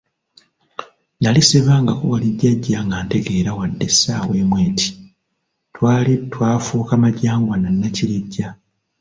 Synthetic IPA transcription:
naliseβaːŋɡakuwaliɟːaɟːaŋɡaːnte̞ɡe̞ːɾawadːe̞saːweːmwe̞ːtʰi̥ | twaːlitwaːfuːkamaɟaːŋɡwananːaciɾiɟːa

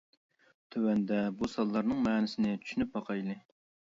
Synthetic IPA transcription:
t̪ʰøwɛnd̪ɛbusɑlˠːɑɾnɨŋmɛːnɪsɪnɪt͡ʃ̪ʰy̥ʃynyp̚bɑqʰɑjlˠɨ

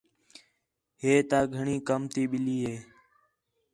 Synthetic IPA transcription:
ɦeːt̪aːɡʱəɳiːkəmt̪iːɓɪliːɦeː

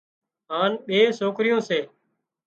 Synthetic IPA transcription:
ɦaːnɓeːsoːkɾɪjõːseː

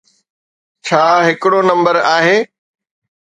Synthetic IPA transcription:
t͡ɕʰaːɦɪkɪɽonɐ̃mbəɾaːɦeː

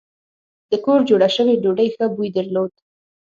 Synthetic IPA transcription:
d̪̥əkoɾd͡ʒoɽaʃəweɖoɖəjxəbujd̪əɾlod̪̚

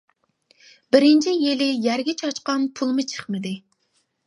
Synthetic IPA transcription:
bɪɾɪnt͡ʃʰijelɪjæɾɡʲɛt͡ʃʰɑt͡ʃqɑnpʰulˠmɨt͡ʃʰə̥χmɨd̪ɪ

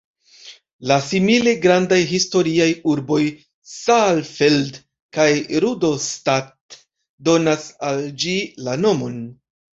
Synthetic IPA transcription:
lasimile̞ɡɾandajɦisto̞ɾiajuɾbo̞j | salfeld | kajɾudo̞stat | do̞nasald͡ʒilano̞mo̞n

